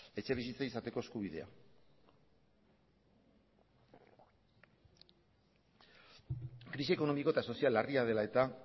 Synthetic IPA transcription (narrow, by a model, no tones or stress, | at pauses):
e̞t͡ʃe̞β̞isit͡seisat̪e̞ko̞eskuβ̞iðe̞̰a̰ | kɾisieko̞no̞miko̞e̞t̪aso̞sialːariað̞e̞lae̞t̪a